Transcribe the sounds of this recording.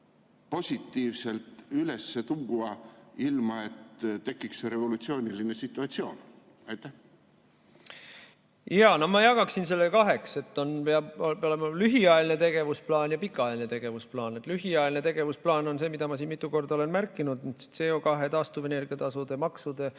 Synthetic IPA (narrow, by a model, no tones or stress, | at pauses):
po̞sʲit̪ːiːvselt̪ylesːet̪uŋɡ̥uɑilmɑet̪t̪e̞kːikseɾe̞vo̞lut̪sio̞ːnʲilinesit̪ːˑuɑt̪sio̞̰ːn | ɑjt̪ːˑæh | jɑːnomɑjɑɡ̥ɑksins̬e̞lːekɑɦe̞kse̞t̪ːo̞npeɑboeolemɑlyɦiɑeline̞t̪e̞ɡ̥e̞vusplɑːnjɑpikːˑɑelinet̪e̞ɡ̥e̞vusplɑːnet̪ːˑlyɦiɑeline̞t̪e̞ɡ̥e̞vusplɑːno̞nse̞ːmid̪̥ɑmɑsiːnmit̪ːˑuko̞rd̪̥ɑo̞le̞nmærkːinud̪nyd̪st̪seo̞kɑɦe̞t̪ɑːst̪uve̞ne̞rɡ̥iɑt̪ɑsud̪̥e̞mɑksud̪̥e̞